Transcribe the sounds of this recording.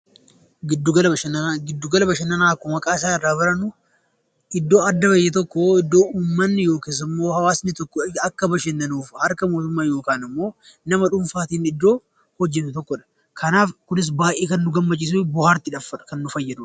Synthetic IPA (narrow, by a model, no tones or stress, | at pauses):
ɡɪd̪ːuɡɐlɐbɐʃɐnɡɪd̪ːuɡɐlɐbɐʃɛnːɐnaːkːɔmɐkʼaːɪs̬aːɪrːaːbɐɾɐnʊ | ʔɪd̪ːo̞ːɐd̪ːɐbɐjːɛt̪̬ɔkːɔɪd̪ːo̞ːuːmːɐnːɪjo̞ːkeːs̬ɪmːo̞ːhɐwaːsnɪt̪ɔkːɔɐkːɐbɐʃɛnːɐnuːfhɐɾkɐmo̞ːt̪ʊmːaːjo̞ːkaːnɪmːo̞ː | nɐmɐᶑʊmfaːt̪iːnɪd̪ːo̞ː | hɔd͡ʒːɛnːʊt̪ɔkːɔᶑɐ̥ | kʰɐnaːfkʊnɪs̬baːʔeːkɐnːʊɡɐmːɐt͡ʃʼːiːs̬bʊhaːɾt̪ɪᶑɐfɐᶑkɐnːʊfɐjːɐd̪ʊᶑ